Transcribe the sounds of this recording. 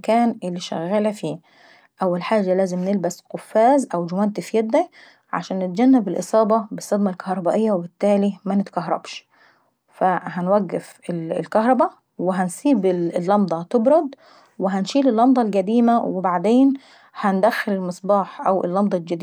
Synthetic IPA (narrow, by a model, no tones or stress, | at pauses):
kæːnʔɪlːiʃæ̰ɣːaːlafiː | ʔæwːælħaːd͡ʒːalæːzɪmnɪlbæsqʊfːæːzʔæwd͡ʒʊwænt̪ɪfjæd̪ːæ | ʕa̰ʃæːnːɪt̪̚d͡ʒænːabɪlʔɨ̰sˤɑːbɑbɪsˤːɑd̪mælkahɾˤɑbæːʔɪjːawebɪt̪ːæːlimænɪt̪kaɦɾˤɑ̰bʃ | fæhænwæɡːɪf | ɪlɪ̰lkɑhɾˤɑbæ | wɪɦænsˤiːbɪlːɑmd̪ˤɑt̪ɪbɾˤʊd̪ˤ | wɪɦænʃiːlɪlːɑmd̪ˤɑlɡæd̪iːmawɪbaʕd̪eːn | hænd̪æxːɪlɪlmɨsˤbɑːħʔæwʔɪ̰lːɑmd̪ˤɑlɡad̪i